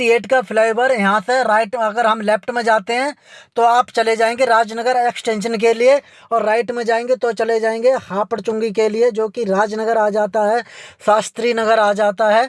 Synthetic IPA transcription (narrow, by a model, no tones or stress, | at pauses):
ieːʈkapʰlaːɪbəɾjɐɦãseɾaːɪʈɐɡəɾɦɐmlɛːpʈmẽd͡ʒaːt̪eɦɛ̃ːt̪oaːpt͡ʃɐled͡ʒaːẽːŋɡeɾaːd͡ʒənəɡəɾeːksʈɛ̃ːnʃ̬ənk̬elie | ɔːɾːaːɪʈmẽd͡ʒaːẽːŋɡet̪ot͡ʃɐled͡ʒaːẽːŋ̆ɡehaːpəɽt͡ʃʊ̃ŋɡikelied͡ʒoːkiɾaːd͡ʒnəɡəɾaːd͡ʒaːt̪aɦɛːsaːst̪ɾinɐɡəɾaːd͡ʒaːt̪aɦɛː